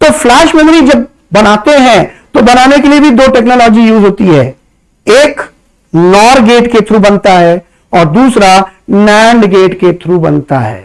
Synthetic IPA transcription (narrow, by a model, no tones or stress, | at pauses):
t̪oflɛːʃmɛmɾid͡ʒɐbː | ɐnaːt̪eɦɛ̃t̪obɐnaːnekeliebʱid̪oːʈeːknoːlɔːd͡ʒijuːzɦoːt̪iɦɛː | eːk | nɔːɾɡeːʈket̪ʰɾubɐ̃nt̪aɦɛː | ɔːɾd̪uːsɾanɛ̃ːɳɖɡeːʈket̪ʰɾubɐ̰nt̪a̰ɦɛ̰ː